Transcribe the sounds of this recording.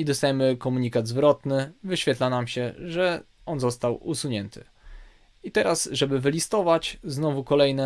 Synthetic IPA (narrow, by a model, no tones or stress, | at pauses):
id̪ɔst̪ajɛmɘkɔmuɲikad̪zvɾɔt̪nɘvɘɕfʲɛt̪lanamɕɛʐɛ | ɔnzɔst̪awusuɲɛnt̪ʰɘ̰ | it̪ɛɾasʐɛbɘvɘlʲist̪ɔvat͡ɕznɔvukɔlɛjnɛ